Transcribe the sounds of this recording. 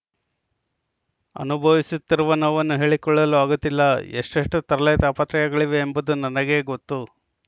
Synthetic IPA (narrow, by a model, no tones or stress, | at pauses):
ɐ̰nubʱɐʋisut̪ːiɾuʋɐnɐʋɐnːuɦe̞ːɭikɔɭːɐluaːɡut̪ːilːɐḛʂʈɐʂʈut̪ɐɾɐlejt̪aːpɐt̪ɾɐjɐɡɐɭiʋe̞ːmbud̪unɐnɐɡe̞ːɡot̪ːu